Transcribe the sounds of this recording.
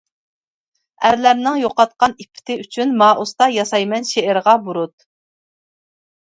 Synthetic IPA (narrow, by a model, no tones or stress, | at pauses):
æɾlæɾnɪŋjoqɑt̪̚qɑnipʰːɪ̥t̪ʰɪyt͡ʃʰynmɑːʔust̪ɑjɑsɑjmɛnʃeɪɾʁɑbuɾut̪̚